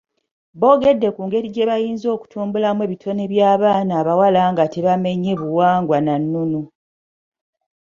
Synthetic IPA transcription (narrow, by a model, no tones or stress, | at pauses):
βo̞ːɡe̞dːe̞kuːŋɡe̞ɾiɟe̞βajiːnzo̞ːku̥tʰuːmbulamwe̞ːβitʰo̞neβjaːβaːnaːβawalaŋɡateβame̞ɲːeβuwaːŋɡwananːunu